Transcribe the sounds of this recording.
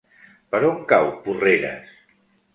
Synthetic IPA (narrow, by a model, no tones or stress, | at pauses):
pəɾoŋkawpureɾə̰s